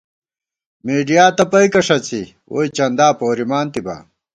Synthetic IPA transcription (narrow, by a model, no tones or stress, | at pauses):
meːɖijaːt̪ɐpɐikɐʂɐt͡si | o̰ːit͡ɕɐnd̪aːpoːɾimaːnt̪iba̰ː